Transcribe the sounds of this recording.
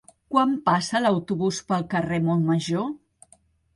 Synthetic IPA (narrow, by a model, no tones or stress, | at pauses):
kwampasələwt̪uβuspəlˠkəremolməʒo